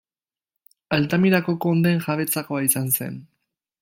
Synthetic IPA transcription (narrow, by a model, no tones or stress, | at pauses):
alt̪amiɾakoko̞nd̪enxaβe̞t͡sako̞aisanse̞̰n